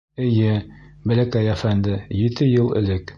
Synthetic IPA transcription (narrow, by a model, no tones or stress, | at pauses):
ɘ̆jɘbæ̆lækæjæfænd̪ɘjit̪ɘjɤlˠɘ̰̆lɘk